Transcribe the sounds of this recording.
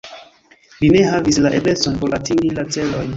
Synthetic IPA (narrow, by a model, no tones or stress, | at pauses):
line̞ɦavislaʔebe̞so̞npoɾatiŋɡilat͡se̞lo̞j